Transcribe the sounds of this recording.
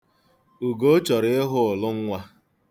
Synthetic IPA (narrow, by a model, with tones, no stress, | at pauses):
u˨ɡo˦t͡ʃɔ˨ɾɪ˦ɪ˦ɦʊ˦ʊ˨lʊ˦ŋ̩˦ŋʷa˦